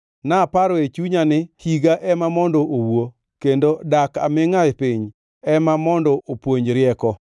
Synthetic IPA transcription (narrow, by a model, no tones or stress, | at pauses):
napaɾɔet͡ʃuɲanɪhiɡaʔɛmamɔndɔʔowo | kendodaka̰mɪŋapiɲ | ɛmamɔndɔʔopwoɲɾɪɛkɔ